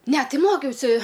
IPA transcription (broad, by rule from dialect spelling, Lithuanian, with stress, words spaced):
ˈnʲɛ ˈtɐɪ ˈmoːkʲɛʊsʲɪ